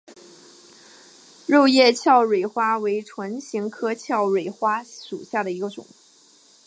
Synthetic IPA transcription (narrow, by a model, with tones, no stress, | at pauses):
ɻo˥˧ʊjɛ˥˧t͡ɕʰjɑ˥˩ʊɻwe˨˩ɪxwa˥we˧˥ɪʈ͡ʂʰwə˧˥nɕi˧˥ŋkʰɤ˥t͡ɕʰjɑ˥˩ʊɻwe˨˩ɪxwa˥ʂu˨˩ɕja˥˩d̪ə˩i˧˥ɡə˧ʈ͡ʂʊ̰˨˩˦ŋ